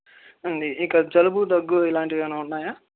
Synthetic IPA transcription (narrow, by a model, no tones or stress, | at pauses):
ɐɳɖiikɐd͡ʒɐlubud̪ɐɡːuilaːɳʈidiɐnoːuɳːaːjaː